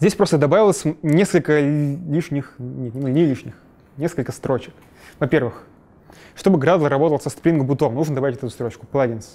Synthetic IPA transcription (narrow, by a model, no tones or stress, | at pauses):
zʲesʲpɾo̞st̪əd̪ɐbavɪlˠəsʲnʲeskəlʲkəlʲiʂnʲɪxnʲenunʲelʲiʂnʲɪx | nʲeskəlʲkəst̪ɾo̞t͡ɕɪ̥k | vɐpʲe̞rvɨx | ʂt̪o̞bɨɡɾad̪lˠəɾɐbo̞t̪əlˠsəst̪pɾʲinɡəbʊt̪omnuʐnd̪ɐbavʲɪtʲt̪ɛt̪ʊst̪ɾo̞t͡ɕkʊ̥pəlˠadʲinsʲ